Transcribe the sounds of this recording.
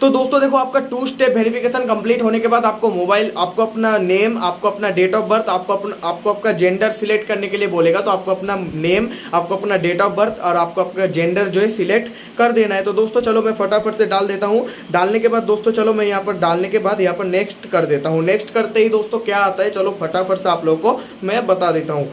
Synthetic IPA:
t̪od̪oːst̪õd̪eːkʰoaːp̚kaʈuːsʈeːʋeːɾɪfɪkeːʃənkɐ̃mpliːʈɦoːnekebaːd̪aːp̚komoːbaːɪlaːp̚koɐpnaneːmaːp̚koɐpnaɖeːʈɔːpbɐɾt̪ʰaːp̚kopnaːp̚koɐp̚kad͡ʒẽːɳɖəɾsɪlek̚ʈkɐɾnekelieboːleːɡat̪oaːp̚koɐpnaneːmaːp̚koɐpnaɖeːʈɔːbɐɾt̪ʰɔːɾaːp̚koɐp̚kad͡ʒẽːɳɖəɾd͡ʒoːɦɛsɪlek̚ʈ | kɐɾd̪eːnaɦɛt̪od̪oːst̪õt͡ʃɐlomɛ̃fʰɐʈaːfʰəɾseɖaːld̪eːt̪aɦũ | ɖaːlnekebaːd̪̚ːoːst̪õt͡ʃɐlomɛ̃jɐɦãpɐɾɖaːlnekebaːd̪jɐɦãpɐɾneːksʈkɐɾd̪eːt̪aɦũneːksʈkɐɾt̪eɦid̪oːst̪õkjaaːt̪aɦɛt͡ʃɐlofʰɐʈaːfʰəɾseaːploːɡko | mɛ̃bɐt̪ad̪eːt̪aɦũː

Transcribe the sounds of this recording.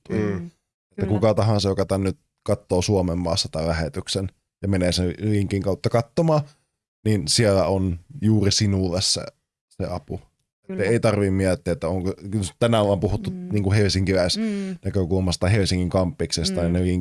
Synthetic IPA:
et̪ːækukɑt̪ɑhɑ̃nsɑjokɑt̪ænnyt̪ | kɑt̪ːoːsuomemːɑːsːɑt̪ɑlæhet̪yksen | jɑmeneːseliŋkiŋkɑˑut̪ːɑkɑt̪ːomɑː | ninsielæonjuːrisinulːˑesːæ̰ | sḛɑ̰pu | et̪ːæeˑit̪ɑrʋimmiæt̪ːiæet̪ːæoŋkot̪ænæʋɑmpuhut̪ːuniːŋkuhelsiŋkiʋæˑsnækøkulmɑst̪ɑhelsiŋːiŋkɑmpːiksest̪ɑnineliŋ

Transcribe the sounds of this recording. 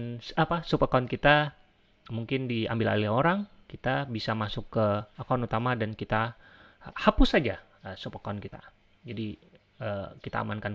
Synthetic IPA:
nsapasupəkankit̪a | muŋkɪndia̰mbɪla̰lɪhoɾaŋ | kit̪abisamasʊkːəakaanut̪amadankit̪a | hapʊsad͡ʒa | əsupəkankit̪a̰ | d͡ʒadi | əkit̪a̰ːmankan

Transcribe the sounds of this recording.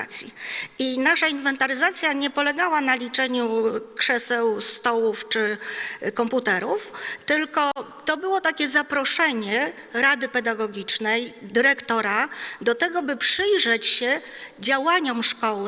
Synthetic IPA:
at̪sʲjḭinaʂainvɛnt̪aɾɘzat̪sʲjaɲɛpɔlɛɡawanalʲit͡ʂɛɲukʂɛsɛwst̪ɔwuft͡ʂɘkɔmput̪ɛɾuft̪ɘlkɔt̪ɔbɘwɔt̪akʲɛzapɾɔʂɛɲɛ | ɾad̪ɘpɛd̪aɡɔɡʲit͡ʂnɛjd̪ɘɾɛkt̪ɔɾad̪ɔt̪ɛɡɔbɘpʂɘjʐɛt͡ɕɕɛd͡ʑawaɲɔmʂkɔw

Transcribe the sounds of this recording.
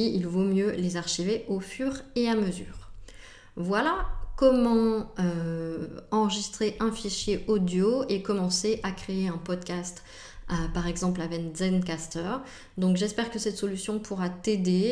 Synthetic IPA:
iilvomjølezaʁʃiveʔofyʁeaməzy̰ːʁ | vwalakɔmɑ̃ø | ɑ̃ʁəʒist̪χeʔɛ̃fiʃjeʔɔd̪joekɔmɑ̃seʔakχeeɛ̃pɔd̪kʲast̪ | paʁɛɡzɑ̃plavɛnzɛnkast̪œʁ | d̪ɔ̃kʒɛspɛʁkəsɛt̪sɔlysjɔ̃pʰuʁat̪ed̪e

